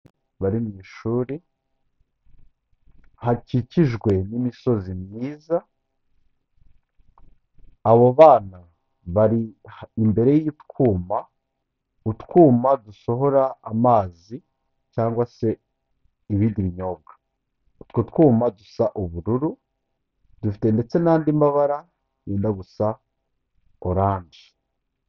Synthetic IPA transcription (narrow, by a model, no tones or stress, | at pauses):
βaɾimɲiːʃuːɾi | haciciʒɡwe̞nimiso̞zimɲiːza | aβo̞βaːna | βaɾihimbe̞ɾe̞jiitkuːma | utkuːmaduso̞ɦo̞ɾaːmaːzi | caːŋɡwase̞ | iβidiβiɲo̞ːβɡḁ | tkutkuːmadusaʔuβuɾuɾu | dufi̥te̞nde̞t͡se̞naːndimbaβaɾa | ɲiːndaɡusa | oɾaːɲɟi